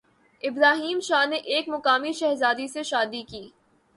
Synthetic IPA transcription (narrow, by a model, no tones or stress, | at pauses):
ɪbɾaːɦiːmʃaːneʔeːkmʊqaːmiʃɛɦzaːd̪iseʃaːd̪ikiː